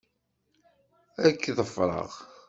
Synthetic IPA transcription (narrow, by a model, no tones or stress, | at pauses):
ækːðəfɾˤə̰ʁ